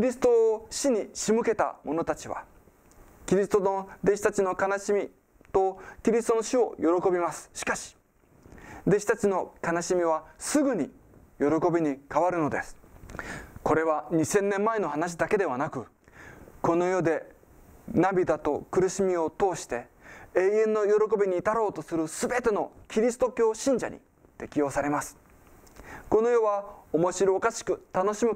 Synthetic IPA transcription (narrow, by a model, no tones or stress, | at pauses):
kʲiɾʲisɨ̥t̪o̞ːɕiɲ̟iɕimɯ̟ke̞t̪a̰mo̞no̞t̪at͡ɕiβa̰ | kʲiɾʲisɨ̥t̪ood̪e̞ɕi̥t̪at͡ɕino̞kanaɕimʲi | t̪o̞kʲiɾʲisɨ̥t̪o̞no̞ɕio̞jo̞ɾo̞ko̞bʲimasɨ̥ɕi̥kaɕi̥ | d̪e̞ɕi̥t̪at͡ɕino̞kanaɕimʲiβ̞asɨɡɯ̟ɲ̟i | jo̞ɾo̞ko̞bʲiɲ̟ikaβaɾɯ̟no̞d̪esɨ̥ | ko̞ɾe̞βaɲ̟isẽ̞nːẽ̞mːaeno̞hanaɕ̬id̪ake̞d̪e̞β̞anakɯ̟ | ko̞no̞jo̞d̪e̞ | nabʲid̪at̪o̞̰kɯ̟ɾɯ̟ɕimʲio̞t̪o̞ːɕi̥t̪e̞ | eːjẽ̞nːo̞jo̞ɾo̞ko̞bʲiɲ̟iːt̪aɾo̞ːt̪o̞sɨɾɯ̟sɨbe̞t̪e̞no̞kʲiɾʲisɨ̥t̪o̞kʲo̞ːɕĩɲ̟d͡ʑa̰ɲ̟ḭ | t̪e̞kʲijo̞ːsaɾe̞masɨ̥ | ko̞no̞jo̞βaomo̞ɕiɾoːkaɕi̥kɯ̟t̪ano̞ɕimɯ̟